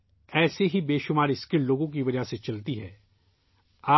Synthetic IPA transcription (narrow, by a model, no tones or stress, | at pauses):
ɛːseɦibeːʃʊmaːɾɪskɪlloːɡõk̬iʋɐd͡ʒaset͡ʃɐlt̪iɦɛː | aː